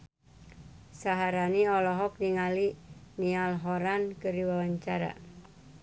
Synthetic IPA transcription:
saɦaɾaniɔlɔɦɔk̚niŋalinialɦɔɾankəɾiwawaɲt͡ʃaɾa̰

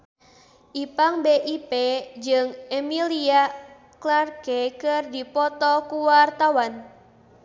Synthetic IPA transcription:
ʔipaŋbeʔiped͡ʒɨŋemilia | klarkekɨrdipɔt̪ɔkuwart̪awan

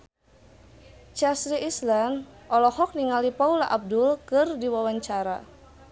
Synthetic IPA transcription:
t͡ʃasɾiʔislanʔɔlɔhɔk̚niŋalipaulaʔab̚dʊlkɨrdiwawaɲt͡ʃaɾa̰

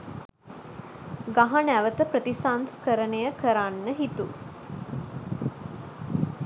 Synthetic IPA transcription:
ɡaɦanæʋət̪əpɾət̪isanskəɾənəjəkəɾanːəɦit̪ṵ

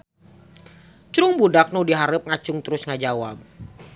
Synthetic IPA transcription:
t͡ʃɾʊŋbudak̚nʊdiɦaɾəp̚ŋat͡ʃʊŋt̪əɾʊsŋad͡ʒawa̰p̚

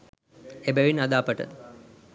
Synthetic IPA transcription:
ebeʋinad̪aːpəʈə̰

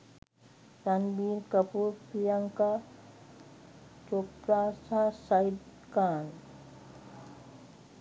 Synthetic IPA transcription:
tanbiːɾkəpuːɾpijaŋka | t͡ʃoːkɾaːsasajd̪ | kaːn

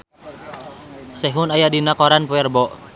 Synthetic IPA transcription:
sɛɦunajadinakɔɾanpuɛrbɔʔ

